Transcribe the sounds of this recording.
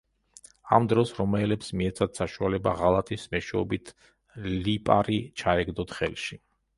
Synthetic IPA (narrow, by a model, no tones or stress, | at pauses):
a̰md̪ɾɔsɾɔmɛlɛpsmiɛt̪sʰad̪saʃualɛba̰ʁalˠat̪ʼismɛʃɛɔ̰bit̪ʰ | lipʼaɾit͡ʃʰaɛɡd̪ɔt̪χɛ̰lˠʃi